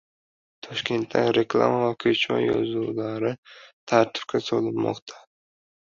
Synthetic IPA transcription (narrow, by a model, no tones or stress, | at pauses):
t̪ʰɒʃkʲe̞nt̪ʰːaŋɾeklˠa̰mavakʰɵt͡ʃʰɒ̰jɒ̰zulaɾɪt̪ʰaɾt̪ʰɪ̥p̚kʲʰasɒlɪpmɒ̰qt̪ʰa